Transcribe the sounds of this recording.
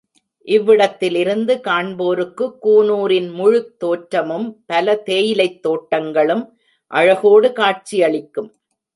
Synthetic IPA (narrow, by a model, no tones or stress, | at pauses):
ʔɪʋːɪɽɐt̪ːɪlɪɾɯnd̪ɯkaːɳboːɾɯkːɯkːuːnuːɾɪnmʊɻɯk̚t̪oːʈɾɐmɯmpɐlɐt̪eːjɪlɐɪt̪ːoːʈːɐŋɡɐɭɯm | ʔɐɻɐɣoːɽɯkaːʈ̚t͡ʃijɐɭɪkːɯm